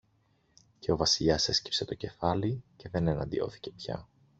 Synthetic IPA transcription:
ce̞o̞vɐsiʎɐse̞sci̥pse̞t̪o̞ce̞fɐlice̞ðe̞ne̞nɐ̰nd̪ḭo̞̰θi̥ce̞pçɐ̰

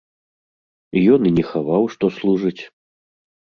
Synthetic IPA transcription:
jɔninʲɛxavawʂt̪ɔslˠuʐɨt͡sʲ

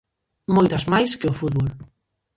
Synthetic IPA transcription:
mojt̪azmajskeʊfuðβol

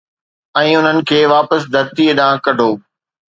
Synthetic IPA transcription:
ɛ̃ːʊn̤ənɪ̆kʰeːʋaːpəsd̪ʱɐɾt̪ieɗãːkɐɖʱoː

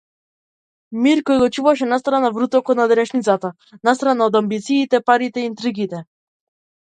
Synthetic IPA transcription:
miɾkɔjɡɔt͡ʃuvaʃ̬ɛnast̪ɾanavɾut̪ɔkɔt̪nad̪ɛɾɛʃnit̪sat̪a | nast̪ɾanaɔd̪ambit̪siːt̪ɛpaɾit̪ɛiːnt̪ɾiɡit̪ɛ

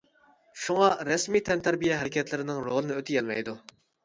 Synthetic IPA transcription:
ʃuŋɑɾɛsmit̪ʰɛnt̪ʰæɾbijɛɦæɾɪkʲɛt̪ʰlɪɾɪnɪŋɾolˠɨnɨøt̪ʰɪjɛlmɛ̰jd̪u

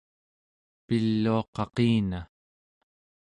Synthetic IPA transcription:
pilːuɑqɑqiːna

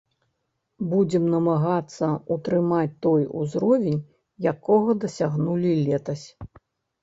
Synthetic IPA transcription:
bud͡zʲɛmnɐmaɣat̪sːɐut̪ɾɨmat͡sʲt̪ɔjṵzɾɔvʲenʲ | jakɔɣɐd̪ɐsʲaɣnulʲilʲɛt̪ɐsʲ

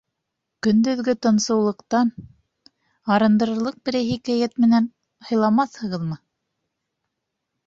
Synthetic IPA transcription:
kɵ̆nd̪ɵ̆ðɡɵt̪ɤ̆nsɤ̆wlˠɤ̆qt̪ɑn | ɑɾɤ̆nd̪ɤ̆ɾɤ̆ɾlˠɤq̚bɘ̆ɾæjɦikæjæt̪mɘ̆næn | hɤ̆jlˠɑmɑθhɤ̆ʁɤðmɤ

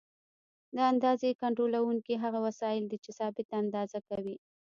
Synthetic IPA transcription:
d̪əand̪ɑzekaɳʈɾolawuŋkiɦaɣawasɑjɪld̪it͡ʃesɑbɪt̪aand̪ɑzakawi

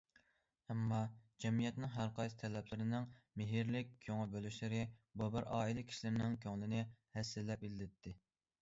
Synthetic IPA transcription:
ɛmːɑd͡ʒɛmijɛt̪nɪŋɦæɾqʰɑjst̪ʰɛlɛplɪɾɪnɪŋmɪɦɪɾlɪk̚ʲkʲʰːøŋɨbølyʃlɪɾɪbubɪɾɑːilˠɪkʲʰi̥ʃilɪɾɪnɪŋkʲʰøŋlɪnɪhɛsːɪlːɛp̚ilɪd̪ɪt̪ʰːɪ

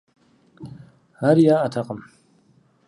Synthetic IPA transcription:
aɾijaʔatʰaqʼəm

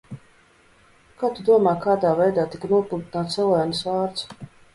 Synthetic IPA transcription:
kaːt̪ud̪uɔmɑːjkaːd̪aːvɛjd̪aːt̪ikanuɔpulˠt̪inaːt̪sɛlˠajnɨsvaːɾt̪s

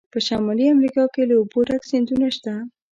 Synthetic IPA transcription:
pəʃamɑliamɾikɑkeləuboɾaksɪnd̪unaʃt̪a

